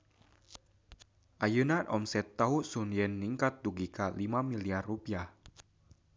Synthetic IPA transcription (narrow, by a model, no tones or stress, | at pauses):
ʔajunanʔɔ̰msɛt̪ːaɦuʔsunjɛnːiŋkat̪̚duɡikalimamiliarːupiah